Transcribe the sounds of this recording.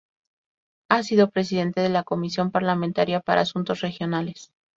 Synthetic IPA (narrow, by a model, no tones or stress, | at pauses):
asiðo̞pɾe̞s̬iðe̞nt̪e̞ðe̞lako̞misjo̞mpaɾlament̪aɾjapaɾa̰ːsunt̪o̞sre̞xjo̞nale̞s